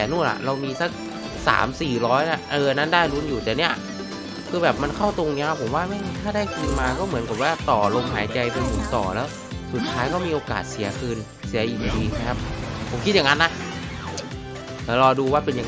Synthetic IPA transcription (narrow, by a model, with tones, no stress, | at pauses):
ɛ˨˩˦nu˥˩a̰˨˩ɾa˧wmiː˧sa˦˥k̚ | sa̰ː˩˦msiː˨˩ɾɔː˦˥jna˦˧˥ʔɤː˧ʔa˧nːa˦˥ndaː˥˩jluː˧˥njuː˨˩t̪ɛː˨˩ni˦˥ɐ | kʰɯː˧bɛː˨˩p̚ma˧nkʰa˥˩wt̪o˧ŋni˧˦˥xʰa˦˥pʰo˨˩˦mwaː˥˩ma˥˩˨t̪ʰaː˥˩daː˥˩jkʰiː˧nmaː˧kɔː˥˩mɯ˩˦ənka˨˩p̚waː˥˩t̪ɔː˨˩lo˧mɦaː˩˦jt͡ɕa˧jpe˧npʰu˩˦nt̪ɔ̰ː˨˩lɛː˦˥w | su˨˩t̪ʰːaː˦˥jkɔː˥˩miː˧ʔoː˧ka̰ː˨˩t̪̚si˩˦ɐkʰɯː˧n | si˨˩˦ɐʔiː˨˩k̚a˧˩diː˧t͡ɕʰa˧˥kʰa˦˥˩p̚pʰo˨˦mkʰi˦˥t̪̚ja˨ŋa˧nːa˦˥ | ʔːɾɔː˧duː˧waː˥˩pe˧nja˨